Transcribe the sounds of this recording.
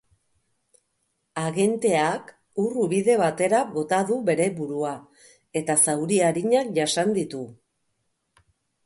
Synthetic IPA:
aɣe̞nt̪e̞ak | uruβiðe̞β̞at̪e̞ɾaɣo̞t̪aðuβe̞ɾe̞βuɾua | e̞t̪asawɾiaɾiɲak̚ʝasand̪it̪u

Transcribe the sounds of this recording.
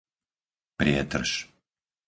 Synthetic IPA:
pɾɪɛt̪r̩ʃ

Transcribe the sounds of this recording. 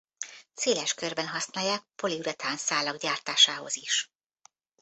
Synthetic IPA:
seːlɛʃkørbɛnɦɒsnaːjːaːk̚po̞liuɾɛt̪aːnsaːlɒɡɟaːrt̪aːʃaːɦo̞̰ziʃ

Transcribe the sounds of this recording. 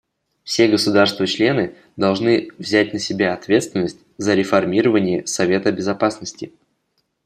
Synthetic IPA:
fsʲe̞ɡəsʊd̪arst̪vət͡ɕlʲe̞nɨ | d̪ɐlˠʐnɨvzʲæt̚ʲnəsʲɪbʲaɐt̪vʲe̞t̪st̪vʲɪnːəsʲtʲzəɾʲɪfɐrmʲiɾəvənʲɪjəsɐvʲe̞t̪əbʲɪzɐpasnəsʲtʲɪ

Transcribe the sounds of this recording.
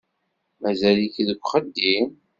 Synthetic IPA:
mæzælikðəɡʷχəd̪ːin

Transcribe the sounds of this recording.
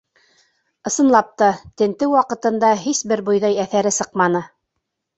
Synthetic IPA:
ɤ̆sɤ̆nlˠɑp̚t̪ɑt̪ɘ̆nt̪ɘwwɑqɤ̆t̪ɤ̆nd̪ɑɦisbɘɾbŏjðɑjæθæɾɘsɤqmɑnɤ

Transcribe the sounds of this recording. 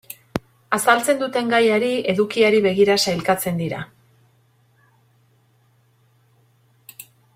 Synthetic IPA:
asalt͡se̞nd̪ut̪e̞ŋɡajaɾie̞ðukiaɾiβe̞ɣiɾasajlkat͡se̞nd̪iɾa̰

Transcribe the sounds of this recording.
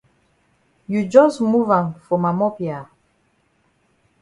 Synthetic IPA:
jud͡ʒɔsmuvãnfɔmamɔpia

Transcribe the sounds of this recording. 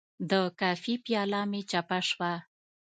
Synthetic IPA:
d̪əkɑfipjɑlɑmet͡ʃapaʂwa

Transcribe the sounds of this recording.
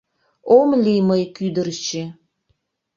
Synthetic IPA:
omliməjkyd̪ərt͡ɕe

